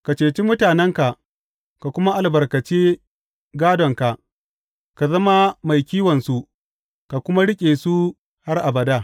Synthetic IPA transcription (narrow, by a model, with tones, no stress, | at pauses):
ka˨t͡ʃeː˨t͡ʃi˦mʊ˦taː˨nɛ˦ŋka˨ | ka˨kʷʊ˦ma˦ʔa˨lbɐ˨rkɐ˨t͡ʃeː˦ | ɡaː˦dɔ˨ŋka˨ʔ | ka˨zɐ˦ma˦ma˨jkʲiː˦wɔ˨nsu˦ʔ | ka˨kʷʊ˦ma˦ɽɪ˦kʲʼeː˨su˦ | ha˦rʔa˨bɐ˨daː˦